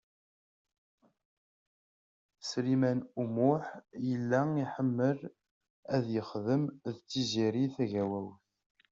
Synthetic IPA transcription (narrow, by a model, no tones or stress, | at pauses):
sɾimænumʊħjəlːæiħəmːəɾ | æðjəχðəmðt͡sːiziɾiθæʝæwæwθ